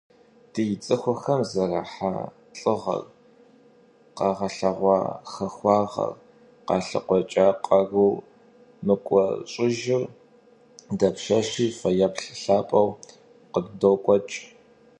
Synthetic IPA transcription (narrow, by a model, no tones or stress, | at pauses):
d̥ijt͡sʼɨxʷʊxɐmzɐraħa̰ | ɬʼɨʁɐ̰r | qɑːʁɐɬɐʁʷɑ̰xɐxʷɑːʁɐ̰r | qɑːɬɨ̰qʷɔt͡ʃʼaːqʼɐruː | mɨkʷʼɔɕʼɪʒɪr | dɐpʃɐʃiːfɐjɐpɬɬaːpʼɐw | qəddoːkʷʼɔt͡ʃʼ